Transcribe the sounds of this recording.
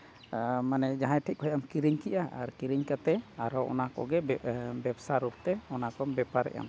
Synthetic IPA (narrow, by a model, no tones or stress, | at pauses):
manɛd͡ʒaɦãjʈʰic̚ˀkɔɦɛjʔamkiɾiɲkiʔaʔaɾkiɾiɲkat̪ɛaɾɔʔɔ̰nakɔ̰ɡɛbɛbsaɾup̚t̪ɛɔnakɔbɛpaɾɛ̰ʔja̰m